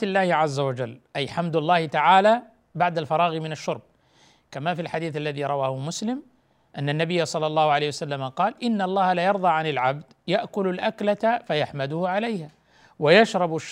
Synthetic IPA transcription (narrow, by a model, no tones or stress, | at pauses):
ɪlːaːhɪʕazːawad͡ʒalːʔajħamd̪alˤːɑːhɪt̪aʕaːla | baʕd̪alfɑɾˤɑːɣimɪnaʃːʊɾˤb̚ | kamafilħad̪iːθalːaðiɾˤɑwaːhʊmʊslɪm | ʔanːanːabɪjːasˤɑlːɑlˤːɑːhʊʕalejhwasalːamaqɑːlʔɪnːɑlˤːɑːhalajɑɾˤd̪ˤɑːʕanɪlʕabd̪ | jaʔkʊlalʔaklat̪fajaħmad̪ʊhʕalajha | wajaʃɾˤɑbaʃ